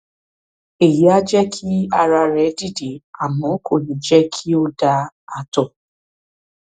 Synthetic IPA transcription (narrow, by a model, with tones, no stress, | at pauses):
e˨ji˨˦a˦d͡ʒɛ˦kʰi˦a˧ɾa˧ɾɛ˨˦di˦˨de˨˦a˨mɔ̃˨˦ko˦˨nĩ˨d͡ʒɛ˦kʰi˦o˦da˧a˨tɔ˨